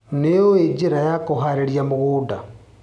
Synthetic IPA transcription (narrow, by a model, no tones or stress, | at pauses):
nejoed͡ʒeɾajakoɦaɾeɾjamoɣuːda